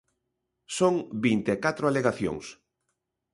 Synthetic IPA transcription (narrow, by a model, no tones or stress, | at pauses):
soŋbint̪ekat̪ɾʊaleɣaθjo̰ŋs